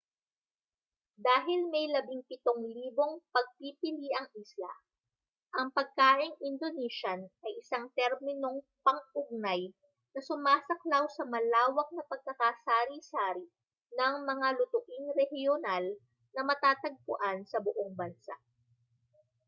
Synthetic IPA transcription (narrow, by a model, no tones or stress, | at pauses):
d̪aːɦɪlmɛjlɐbɪŋpɪt̪oŋliːbo̞ŋpɐɡ̚pipɪliʔɐŋʔisla̰ | ʔɐŋpɐɡ̚kaːʔɪŋʔɪnd̪oniʃɐnʔɐjʔɪsaŋt̪ɛɾmɪno̞ŋ | pɐŋʔʊɡ̚naj | nɐsʊmaːsɐklawsɐmɐlaːwɐk̚nɐpɐɡ̚kɐkasaːɾisaːɾi | nɐŋmɐŋalʊt̪ʊʔɪŋɾɛhjonal | nɐmɐt̪aːt̪ɐɡ̚pʊʔansɐbʊʔoŋbɐnsa̰ʔ